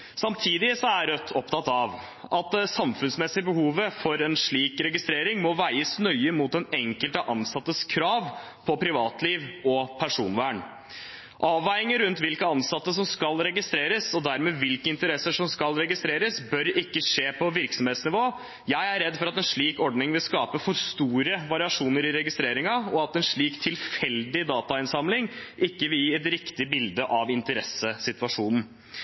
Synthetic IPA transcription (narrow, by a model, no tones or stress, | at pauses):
sɑmt̪ʰiːd̪ɪsɔæɾœt̪ʰːɔpt̪ʰɑt̪ɑʋ | ʔɑt̪sɑmfʉnsmɛsɪəbəhuːʋəfɔɾɛnʂɭiːkɾɛɡɪst̪ɾeːɾɪŋmɔʋæɪəsnœʏəmuːt̪ɛnɛŋkəlt̪əʔɑnsɑt̪ːəskʰɾɑːʋ | pʰɔpʰɾɪʋɑ̰ːt̪liːʋɔpʰæʂuːnʋæːɳ | ʔɑːʋːæɪɪŋəɾʉnt̪ʋɪlkəɑnsɑt̪ːəs̬ɔmskɑlɾɛɡɪst̪ɾeːɾəsɔd̪æɾmeːʋɪlkəɪnt̪əɾɛsːəʂɔmskɑlɾɛɡɪst̪ɾeːɾəsbœɾɪkːəʂeːpʰɔʋɪɾksɔm̩heːt̪snɪʋoː | jæɪæɾɾɛd̪ːfɔɾɑt̪ɛnʂɭiːkɔɖɳɪŋʋɪlskɑːpəfɔɾst̪uːɾəʋɑɾɪɑʂuːnəɾɪɾɛɡɪst̪ɾeːɾɪŋɑɔɑt̪ɛnʂɭiːkt̪ʰːɪlfɛld̪ɪd̪ɑːt̪ɑɪnsɑmlɪŋʔɪkːəʋɪljiːɛt̪ɾɪkt̪ɪbɪld̪əʔɑʋɪnt̪əɾɛsəsɪt̪ʋɑʂuːnn̩